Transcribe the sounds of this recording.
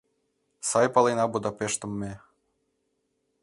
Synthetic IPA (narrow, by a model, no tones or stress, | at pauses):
sɑjpɑlˠenɑbud̪ɑpeʃt̪ə̆mːe